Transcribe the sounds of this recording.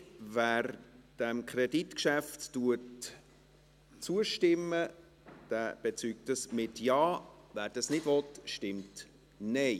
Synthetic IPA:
væːɾd̥ɛmkχɾɛditkʃæftːuət | t͡suəʃtɪmːə | d̥æːb̥ɛt͡syk̚təsmɪtjɑːvæːɾd̥ɑsnɪd̥vɔtʃtɪmt | nɛɪ

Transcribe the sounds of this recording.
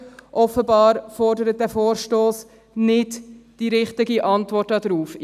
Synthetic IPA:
ʔɔfəbɑːɾfɔɾdəɾət̚dæːfoːɾʃtoːs | nɪdd̥iɾɪχtɪɡiʔɑntvɔrtɑdɾuːf

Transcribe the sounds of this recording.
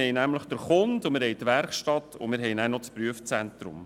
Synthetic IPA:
ɛjnæmləχd̥əɾχʊndʊmɪɾhɛɪtʋɛɾχʃtɑtʰʊ̰mɪɾɦɛjnænɔtspɾyəft͡sɛntɾʊ̰m

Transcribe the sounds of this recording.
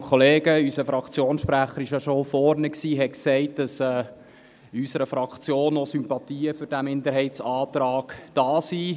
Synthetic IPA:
kʰɔleːɡəysəfɾɑkt͡sjoːnsʃpɾæχəɾɪʃjɑʃɔfɔɾnəksiːɦɛksɛɪt̚d̥ɑsɛː | ysəɾəfɾɑkχt͡sjoːnɔsympɑt̪iːəfʏɾd̥æmɪndəɾɦɛɪtsɑːt̪ɾɑːɡ̥d̥ɑːsi

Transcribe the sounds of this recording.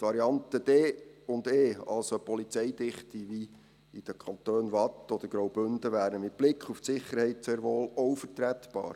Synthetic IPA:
tʋɑɾiɑnt̪əd̪̥ɛːʊnd̪eːɑ̰lsopɔlit͡sɛjd̪ɪχt̪iʋi | id̥əkʰɑnt̪øːnʋɑtɔd̪̥əɾɡ̥ɾowbʏnd̪əʋæːɾəmɪt̚b̥lɪkχuftsɪχːəɾhɛɪtseːɾʋoːlɔwfəɾt̪ɾæt̪b̥ɑ̰ːɾ

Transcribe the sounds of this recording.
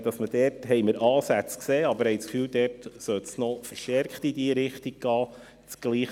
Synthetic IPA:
d̥ɑsməd̥ɛːtɦɛjməɾʔɑːsæt͡skseːɑbəɾhɛjt͡skfyːwdɛːtsœlt̪snɔfəɾʃtɛɾkχtidiəɾɪχtiɡ̚ɡ̥ɑː | t͡sɡ̥liːχ

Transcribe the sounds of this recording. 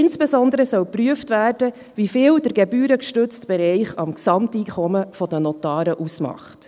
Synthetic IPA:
ɪnsb̥esɔndəɾəsœwpryəftvæːrd̥ə | ʋifɪːwdəɾɡ̥ebyːɾəkʃtɵt͡stb̥ɛɾɛɪχɑmksɑmtiːkʰɔməfɔd̥ənɔtɑːɾəʔusmɑ̰χt

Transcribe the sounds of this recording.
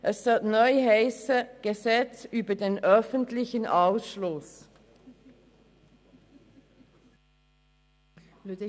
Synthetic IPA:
ʔɛssɔtnɔʏheɪsəɡ̥əzɛt͡syːbədeːnœfəntlɪçənʔaʊsʃlʊs

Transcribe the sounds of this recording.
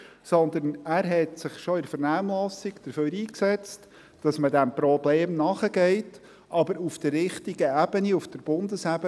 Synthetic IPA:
sɔnd̪ənæːɾɦɛtsɪχʃɔɪɾfəɾnæːmlɑsikd̥əɾføːɾiːksɛt͡st | d̥ɑsmədæmpɾɔbleːmnɑχəɡɛɪt | ʔɑbəɾufd̥̪ərːɪχtiɡəæb̥əniufd̥əɾb̥ʊndəsæb̥ə

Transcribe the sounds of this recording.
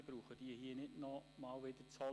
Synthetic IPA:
b̥ɾuːχəd̥iəhiːənɪdnɔmɑːlʋɪd̥̪ət͡shɔ

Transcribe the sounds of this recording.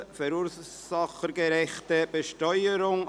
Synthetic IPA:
fɛɾuːɾ | sɑχəɡəɾɛχtəb̥əʃtɔʏəɾʊŋ

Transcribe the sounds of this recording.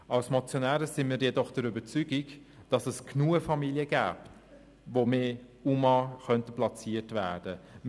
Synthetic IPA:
ʔɑlsmɔt͡sjonæːɾəsɪnmiːɾjɛdɔχd̥əɾybət͡syɡiɡ | d̥ɑsɛsknuəfɑmiljəɡ̥æ̰ːp | vomeː | umɑχœntəplɑt͡siətvæ̰ːd̥ə

